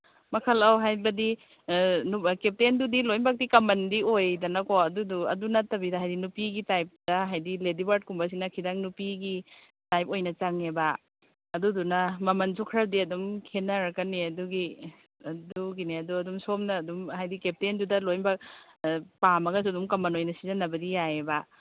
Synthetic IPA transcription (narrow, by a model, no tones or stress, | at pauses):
mɐkʰɐlawɦajbɐdi | nkep̚tendudilojmbak̚dikɐmɐndiojdɐnɐkoɐduduɐ̰dunɐtːɐbidaɦajdinupiɡitajp̚dɐɦajdiledibaɾt̚kumbas̬inɐkʰidaŋnupiɡi | tajpojnɐt͡ʃaŋebaː | dudunɐmɐmɐnzukʰɾɐdiɐdumkʰenɐɾkɐniɐduɡi | ɐduɡineɐduɐdumsomnɐːdumhajdikep̚tendudɐlojnbak̚ | pamɐɡɐs̬ɐdumkɐmɐnojnɐsizɐnːɐbɐdijaebɐ